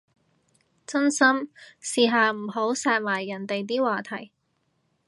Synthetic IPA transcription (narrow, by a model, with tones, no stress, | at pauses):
t͡sɐ˥nsɐ˥msiː˨˧ɦaː˨m̩˨˩ɦo˨˥wsaː˧t̚maː˨˩jːɐ˨˩nt̪e˨jt̪̬iː˥waː˧t̪ʰɐ˨˩j